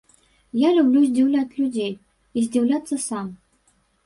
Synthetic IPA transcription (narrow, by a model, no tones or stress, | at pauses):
jalʲublʲuzʲdʲiwlʲat͡sʲlʲʊd͡zʲej | izʲdʲiwlʲat̪sːəsam